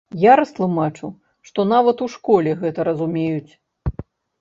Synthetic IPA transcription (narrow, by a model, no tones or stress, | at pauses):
jaɾɐst̪lˠumat͡ʂu | ʂt̪ɔnavɐt̪uʂkɔlʲɛɣɛt̪ɐɾɐzumʲejut͡sʲ